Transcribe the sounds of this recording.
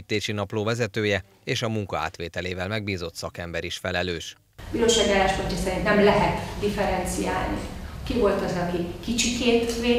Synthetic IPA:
t̪ːeːʃinɒploːvɛzɛt̪øːjɛ | eːʃɒmuŋkɒa̰ːt̪ʋeːt̪ɛleːvɛlmɛɡ̚biːzo̞t̪sɒkɛmbɛɾiʃfɛlɛløːʃ | biːloːʃaːɡialːaːʃpo̞ɲcːɒsɛɾint̪nɛmlɛɦɛt̪d̪ifɛɾɛnt̪sija̰ːlnḭkivo̞lt̪ɒzɒkikit͡ʃikeːt̪ʋeː

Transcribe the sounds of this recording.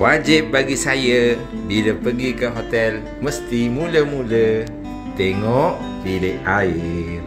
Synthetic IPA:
wad͡ʒɪp̚baɡisajə | biləpəɡikəɦot̪ɛl | məst̪imuləmulə | t̪eŋɔʔ | diləʔaɪr

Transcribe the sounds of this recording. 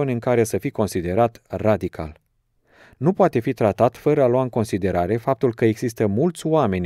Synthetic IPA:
onʲɨŋkaɾe̞səfiko̞nsid̪e̞ɾat̪rad̪ikʰa̰l | nupoat̪e̞fit̪ɾat̪at̪fəɾəaloaɨŋko̞nsid̪e̞ɾaɾe̞fap̚t̪ulkəe̞ɡz̥ist̪əmult̪sʲoame̞nʲ

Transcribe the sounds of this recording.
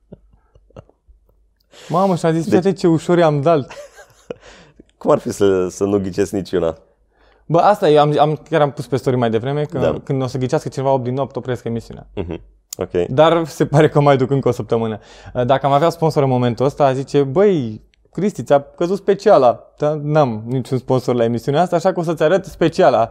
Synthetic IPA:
maməʃiazisiat̪et͡ʃe̞uʃo̞ɾeamd̪al | kumarfisəsənuɡʲit͡ʃesknit͡ʃuna̰ | bəʔast̪ajeamamkʲjaɾampuspe̞st̪o̞ɾimajd̪e̞vɾe̞me̞kə̰kɨnd̪o̞səɡʲit͡ʃiaskət͡ʃinevaop̚d̪inot̪opɾeaskəemisiunḛã̰ɦ̩ | o̰kʲḛjd̪arse̞paɾe̞kəmajd̪ukɨŋkəosəp̚t̪əmɨnə | əd̪akəamaveaspo̞nso̞ɾɨnmo̞me̞nt̪uəst̪azit͡ʃe̞bəj | kɾist̪it̪sʲakəzut̪spe̞t͡ʃialad̪̥anamnit͡ʃunspo̞nso̞rlae̞misiuneast̪aːʃakəo̞s̬ət̪sʲaɾət̪spe̞t͡ʃiala

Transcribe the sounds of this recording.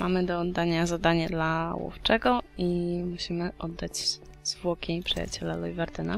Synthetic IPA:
mʔamɘd̪ɔːd̪ːaɲazad̪aɲad̪lawṵft͡ʂɛɡɔimuɕimɘʔɔd̪ːad͡ʑ | z̥vwɔkʲipʂɨja̰t͡ɕɛlalɔjvaɾd̪ɛna̰

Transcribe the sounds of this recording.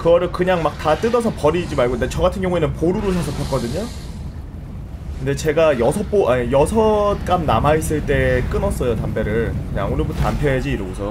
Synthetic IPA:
kɯɡʌɾɯɭkɯɲaŋmak̚tat͈ɯdʌsʰʌpʌɾid͡ʑimaɭɡondet͡ɕʌɡatʰɯnɡjʌŋuenɯnpoɾuɾɯsʰasʰʌp͈ʰʌk͈ʌdɯɲo | kɯnde̞t͡ɕe̞ɡajʌsʰʌp͈oʔajʌsʰʌt̚k͈amnamais͈ɯɭt͈e̞k͈ɯnʌs͈ʌjotambe̞ɾɯɭkɯɲa̰ŋonɯɭbutʰʌa̰npʰeed͡ʑiːɾɯɡosʰʌ

